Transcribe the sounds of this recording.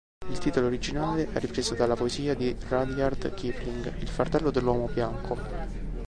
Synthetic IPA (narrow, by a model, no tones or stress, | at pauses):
ilt̪iːt̪oloːɾid͡ʒinaːleʔɛrːipɾeːzod̪alːapoeziːad̪irad̪jard̪kipliŋɡilfart̪ɛlːod̪elːwɔːmobjaŋkʰo